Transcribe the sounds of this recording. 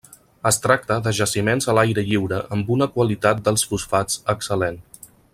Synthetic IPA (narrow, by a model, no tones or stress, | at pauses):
əst̪ɾak̚t̪əðəʒəsimenzəlajɾəʎiwɾəʔəmbunəkwəlit̪at̪̚d̪əlˠsfusfat͡səksəlen